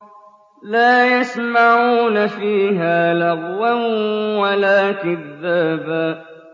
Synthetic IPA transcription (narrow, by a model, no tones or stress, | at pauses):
laːjasmaʕuːnafiːɦaːlɑɣwanwalaːkɪðːaːbaː